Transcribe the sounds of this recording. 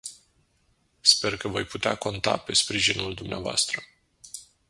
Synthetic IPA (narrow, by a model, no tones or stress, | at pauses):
spe̞rkəvo̞jput̪ea̰ko̞nt̪a̰pe̞spɾiʒinuld̪umnea̰voa̰st̪ɾə